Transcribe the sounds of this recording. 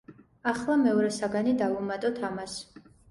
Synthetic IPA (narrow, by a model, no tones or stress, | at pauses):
aχlˠamɛɔɾɛsaɡanid̪avumat̪ʼɔt̪ʰamas